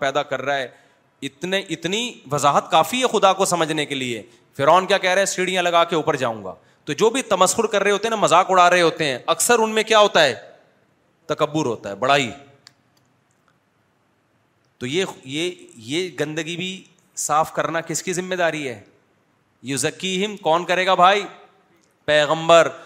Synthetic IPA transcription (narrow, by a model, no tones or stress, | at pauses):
pɛːd̪akɐɾːaɦɛː | ɪt̪neʔɪt̪niʋɐzaːɦət̪kaːfiɦɛxʊd̪akosɐməd͡ʒʱnekelie | fɪɾaːnkjaːkɛɦɾaɦɛsiːɽijãlɐɡaːkeuːpəɾd͡ʒa̰ːũːŋɡa̰ː | t̪od͡ʒoːbʱit̪ɐməsxʊɾkɐɾːɐeɦoːt̪eɦɛnamɐzaːkʊɽ̤aːɾɐɦeɦoːt̪eɦɛ̃ːɐksəɾʊnmẽkjaːɦoːt̪aɦɛː | t̪ɐkəbːʊɾɦo̰ːt̪aɦɛbɐɽ̤aːi | t̪oːjejejeɡɐ̃nd̪əɡibʱi | saːfkɐɾnakɪskizɪmːeːd̪aːɾiɦɛː | jʊzɐkːiɦɪmkɔːnkɐɾeːɡabʱaːiː | pɛːɣə̃mbəɾ